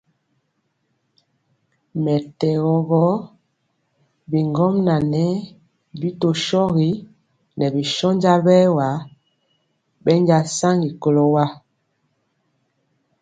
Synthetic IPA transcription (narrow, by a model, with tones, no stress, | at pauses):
mɛ˨tɛ˨ɣɔ˨ɣɔ˦ | bi˨ŋɡɔ˦mna˨nɛ˦ | bi˦to˨ʃɔ˦ɣi˦ | nɛ˨bi˨ʃɔ˦ɲd͡ʒa˦lbɛ˦wa˨˦ | bɛ˦ɲd͡ʒa˦sa˦ŋɡi˨ko˨lo˨wa˦